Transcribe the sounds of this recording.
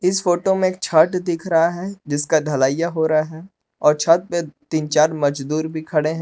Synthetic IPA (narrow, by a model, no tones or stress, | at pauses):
ɪsfoːʈomẽeːk̚t͡ʃʰaːʈd̪ɪkʰɾɐɦaɦɛd͡ʒɪskad̪ʱɐlaːjaɦoːɾaɦaɦɛː | ɔːɾt͡ʃʰəːʈ̚pet̪iːnt͡ʃaːɾmɐd͡ʒd̪uːɾbʱikʰɐɽeɦɛ̃